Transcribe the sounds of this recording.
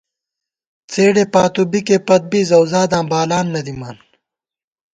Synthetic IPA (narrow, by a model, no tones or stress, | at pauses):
t͡seːɽepaːt̪ubikeːpɐt̪̚biːzɐwzaːd̪ãːbaːlaːnːɐd̪imaːn